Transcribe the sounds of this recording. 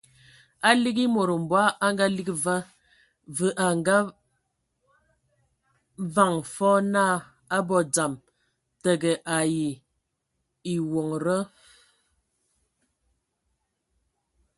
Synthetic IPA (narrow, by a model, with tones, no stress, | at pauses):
a˦li˦ɡi˦mo˨ɾə˨m̩˨bwa˦ʔa˦ŋɡa˦li˦ki˦və˦ | və˨ʔa˨ŋɡa˦ | va˦˨ŋfɔ˦naː˦˨ | a˦bɔ˨d͡za˨m | tə˨ɡə˨ʔa˨ji˨ | i˨wo˨ŋɾə˦